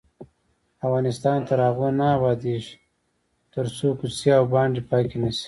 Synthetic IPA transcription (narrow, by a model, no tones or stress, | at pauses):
afɣɑnɪst̪ɑːnt̪aɾaɣonaːbɑːd̪eʃi̥ | t̪əɾsoːkusjaawbɑːɳɖipɑːkinasi̥